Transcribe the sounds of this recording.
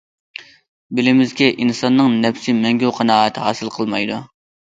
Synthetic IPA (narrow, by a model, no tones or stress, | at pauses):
bɪlɪmɪzɡʲɛʔinsɑnːɨŋnɛpsɪmɛŋɡʲowqʰɑnɑːət̪ʰɨhɑːsɨlˠqʰəlˠmɑjd̪u